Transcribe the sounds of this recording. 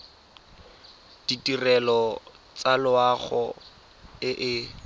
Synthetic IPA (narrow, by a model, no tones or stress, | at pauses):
d̥itʼirɛlɔ | t͡salʊaχɔ | ɪʔɪ